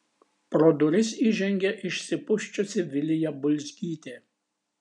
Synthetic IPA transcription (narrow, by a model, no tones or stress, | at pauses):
pɾɔd̪ʊɾʲɪsiːʒʲɛŋʲɡʲɛʔɪʃʲsʲɪpʊʃʲt͡ʃʲʊsʲɪʋʲɪlʲɪjɛbʊlʲzʲɡʲiːt̪ʲeː